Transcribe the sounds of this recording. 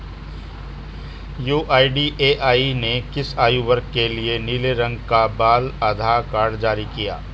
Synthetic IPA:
juːʔaːiɖiʔeːʔaːinekɪsaːjuʋɐɾkːelieniːleɾɐ̃ŋɡkabaːlaːd̪ʱaːɾkaːɾɖd͡ʒaːɾikija̰ː

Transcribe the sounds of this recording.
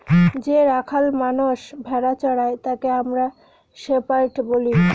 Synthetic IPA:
d͡ʑeɾakʰalmanoʃbʱɛɽat͡ɕɔɽaet̪akeamɾa | ʃepaɾʈboli

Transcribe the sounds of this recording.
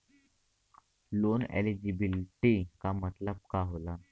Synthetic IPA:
lonḛlid͡ʑibilʈikamət̪lab̚kaɦola

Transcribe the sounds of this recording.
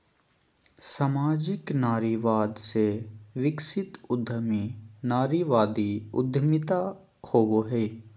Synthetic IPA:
samaːd͡ʒɪknaːɾiːʋaːd̪seʋɪksɪt̪ʊd̪ʱəminaːɾiːʋaːd̪iʊ̰d̪ʱmɪt̪a | hoːʋoɦeː

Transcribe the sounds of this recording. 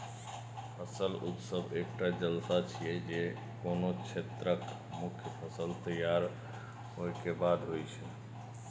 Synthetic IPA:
pʰəsəlṵt̪səbek̚ʈad͡ʒəlsat͡ʃʰijɛd͡ʒe | konot͡ʃʰet̪ɾək | mukʰjəpʰəsəlt̪əjaɾ | ɦojkebad̪ɦojt͡ʃʰɛ

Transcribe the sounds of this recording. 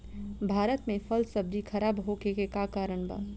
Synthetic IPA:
bʱaːɾət̪mẽfɐlsɐb̚d̪ixʰɐɾaːbɦoːkekekakaːɾəɳ̃ba̰ː

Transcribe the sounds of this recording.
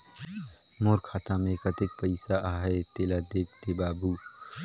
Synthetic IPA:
moːɾkʰaːt̪amẽkət̪ɪk̚pəɪsaʔaːɦɛt̪eːlad̪eːk̚ʰt̪ebaːbu

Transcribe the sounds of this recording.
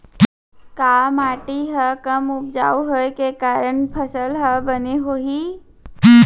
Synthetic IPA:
kaːmaːʈiɦəkəmʊp̚d͡ʒaːuɦoekekaːɾənpʰɐsəlɦəbəneɦoːɦiː

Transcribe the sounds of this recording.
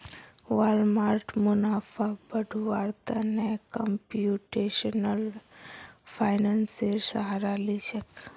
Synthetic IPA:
ʋalmaɾʈmunafabəɖʱuʋaɾt̪anekəmpjuʈeʃənəl | fʰajnanseɾsaɦaɾaliʃək

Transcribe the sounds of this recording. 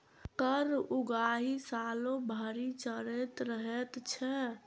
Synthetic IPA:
t̪əɾuɡaɦisalõbʱəɾit͡ʃəɾet̪ɾəɦɛt̪t͡ʃʰɛ

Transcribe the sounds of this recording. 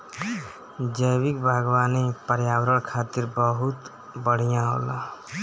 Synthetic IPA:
d͡ʒəjbikbʱəɡwanipəɾjawɾəɽkʰat̪iɾbəɦut̪ | bəɽ̤ijãɦo̰la

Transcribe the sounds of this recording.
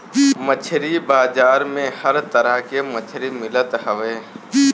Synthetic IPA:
mət͡ʃʰɾibaːd͡ʒaːɾmẽhəɾt̪əɾəkemət͡ʃʰɾimɪlət̪ɦəʋeː

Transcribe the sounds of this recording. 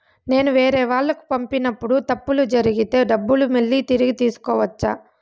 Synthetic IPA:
ne̞ːnuʋe̞ːɾɛːʋaːɭːɐku̥pɐmpinɐpːuɽut̪ɐpːulud͡ʒɐɾiɡit̪e̞ːɖɐbːulumeɭːit̪iɾiɡit̪iːsu̥kɔːʋɐt͡ʃːaː

